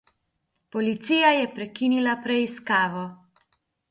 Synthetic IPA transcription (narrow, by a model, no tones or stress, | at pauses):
pɔlit̪siːjajɛpɾɛkinilapɾɛiskaːʋɔ